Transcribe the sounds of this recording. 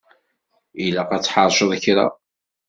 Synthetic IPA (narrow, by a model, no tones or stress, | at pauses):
ilaqɑt͡sːħɑɾˤʃəðˤçɾa̰